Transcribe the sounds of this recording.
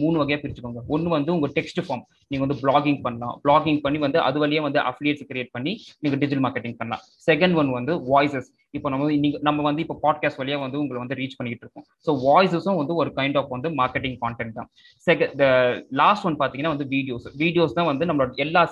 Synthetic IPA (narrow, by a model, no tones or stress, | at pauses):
muːɳɯʋɐɣɐjaːpɪɾɪt͡ʃːɯkːuːŋɡɐɔnːɯʋɐnd̪ɯʊŋɡɐʈɛksʈɯfaːɾm | niːŋɡɐʋɐd̪ɯbɭaːɡɪŋɡpɐɳːɐlã̰ːbɭaːɡɪŋɡ̚pɐɳːiʋɐnd̪ɯʔɐ̰ðɯʋɐlɪjaːʋɐnd̪ɯʔɐfɪlɪjeːʈskɪɾɪjeːʈ̚pɐɳːiniːŋɡɐɖɪd͡ʒɪʈlmaːɾkɛʈːɪ̃ŋɡ̚pɐɳːɐlã̰ː | sɛkɐɳɖʋɐnʋɐnd̪ɯʋaːɪsɛs | ɪpːoːnɐmːɐniːŋɡɐnɐmːɐʋɐnd̪ɯɪpːoːpaːɖ̚kaːsʈʋɐlɐjaːʋɐnd̪ɯʊŋɡɐɭʋɐnd̪ɯɾiːt͡ʃpɐɳːɪkːɪʈːɪɾɯkːʊ̃ | soːʋaːjs̬ɛsʊ̃ʋɐnd̪ɯɔɾɯkɐɪɳɖaːfʋɐnd̪ɯmaːɾkɛʈːɪ̃ŋɡkaːɳʈɛɳʈ̪ːã̰ː | sɛkɐd̪ɐlaːsʈʋɐnpaːɾt̪iŋɐnːaːʋɐnd̪ɯʋiːɖɪjoːsʋiːɖɪjoːst̪ãːʋɐnd̪ɯnɐmːɐɭoɽɐɛlːaː